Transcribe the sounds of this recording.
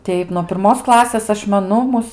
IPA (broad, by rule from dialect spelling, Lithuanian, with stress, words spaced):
ˈtʲɛɪp nuɔ pʲɪrˈmoːs ˈklˠɑːsʲeːs ˈɐʃ mʲɛˈnʊ ˈmʊs